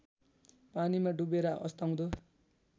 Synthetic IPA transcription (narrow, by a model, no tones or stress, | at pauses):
panimaɖubeɾʌʔʌ̰st̪aw̃d̪o